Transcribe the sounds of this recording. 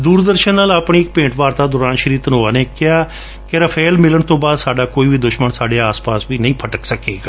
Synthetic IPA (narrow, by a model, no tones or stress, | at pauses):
d̪uːɾd̪əɾʃənːaːlaːpɳ̃iːɪk̚pẽːɳʈʋaːɾt̪aːd̪ʊːɾaːnʃəɾiːt̪ənɦoːaːneːkɪaː | kɪɾəpʰeːlmɪləɳt̪õːbaːd̪saːɖaːkoːiːʋiːd̪ʊʃməɳsaːɖeːaːspaːsʋiːnə̃ĩːpʰəʈəksəkeːɡaː